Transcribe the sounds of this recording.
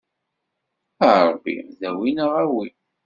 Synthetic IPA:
æʕɾbːḭðæwinəʁæwi

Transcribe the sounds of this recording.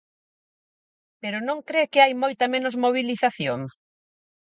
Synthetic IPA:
peɾʊnõŋkɾekɪajmojt̪ɐmẽnʊzmoβ̞iliθaθjoŋ

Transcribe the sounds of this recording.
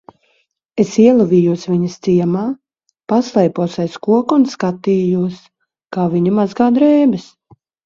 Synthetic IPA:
esiɛlˠuvʲiːjuɔsvʲiɲɐst̪siɛmaː | paslˠɛjpuɔsajskuɔkunskat̪iːjuɔs | kaːviɲumazɡaːd̪ɾɛːbɪs

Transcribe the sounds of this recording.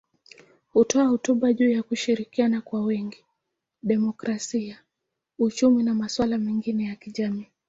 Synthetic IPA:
hutɔahutuɓaʄuːjakuʃiɾikianakwawɛŋɡi | ɗɛmɔkɾasia | ut͡ʃuminamaswalamɛŋɡinɛjakiʄamiː

